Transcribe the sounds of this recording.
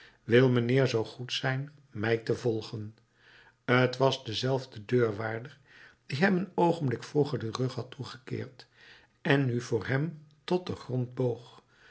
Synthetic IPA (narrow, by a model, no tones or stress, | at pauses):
ʋɪlˠmənɪːɹzowχutsɛjn | mɛjtəvɔlˠχən | ətʋɑzdəzɛlˠvdədøːɹʋaːɹdəɹ | d̥iɦɛmənowχəmblɪkfuχəɹdərɵχɦɑtuχə̥kɪ̰ːɹt | ɛnːyvʊːɹɦɛmtɔt̚dəχrɔnd̚bowχ